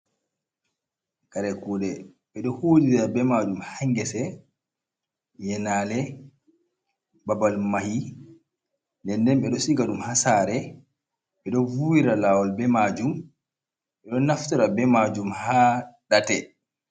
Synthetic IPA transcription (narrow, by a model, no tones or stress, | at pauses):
kaɾɛkuːɗɛ | ɓɛɗɔhoːdiɾɾabɛmad͡ʒumhaŋɡɛsɛ | jɛnaːlɛ | babalmahi | ndɛndɛnɓɛɗɔsiɡaɗumhasaːɾɛ | ɓɛɗɔvuwiɾalaːwɔlbɛmad͡ʒum | ɓɛɗɔnaftɔɾabɛmad͡ʒumhaːɗatɛ